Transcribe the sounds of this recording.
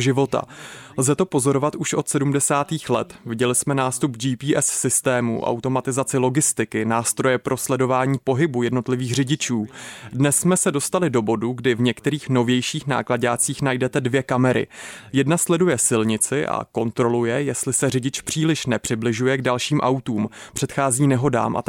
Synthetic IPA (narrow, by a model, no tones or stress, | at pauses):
ʒɪvo̞t̪a̰lzɛt̪o̞po̞zo̞ɾo̞vat̪uʃʔo̞t̪sɛdumdɛsaːt̪iːxlɛt̪vɪɟɛlɪsmɛnaːst̪ubd͡ʒiːpiːʔɛsːɪst̪ɛːmṵʔa̰wt̪o̞mat̪ɪzat͡sɪlo̞ɡɪst̪ɪkɪnaːst̪ɾo̞jɛpɾʔo̞slɛdo̞vaːɲiːpo̞ɦɪbujɛdno̞t̪lɪviːxr̝ɪɟɪt͡ʃuːdnɛsːmɛsɛdo̞st̪alɪdo̞bo̞duɡdɪvɲɛkt̪ɛɾiːxno̞vjɛjʃiːxna̰ːklaɟaːt͡siːxnajdɛt̪ɛdvjɛkamɛɾɪ̰jɛdnaslɛdujɛsɪlɲɪt͡sɪʔa̰ko̞nt̪ɾo̞lujɛjɛst̪lɪsɛrɪɟɪt͡ʃpr̝̥iːlɪʃnɛpr̥ɪblɪʒujɛɡdalʃiːmʔawt̪uːmpr̝̥ɛt̪xaːziːnɛɦo̞da̰ːmʔa̰